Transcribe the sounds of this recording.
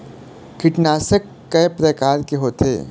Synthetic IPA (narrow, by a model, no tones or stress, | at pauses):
kɪʈnaːsəkːɐpɾəkaːɾkeɦoːt̪ḛː